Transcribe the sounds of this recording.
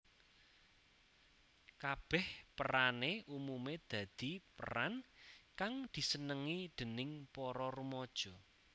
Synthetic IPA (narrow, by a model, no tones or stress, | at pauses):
kab̥ɛ̤hpəɾaneumumed̪̥ä̤d̪̥ipə̰rankaŋd̪̥i̤sənəŋid̪̥ə̤nɪŋpɔɾɔrumɔd̥ʒ̥ɔ̤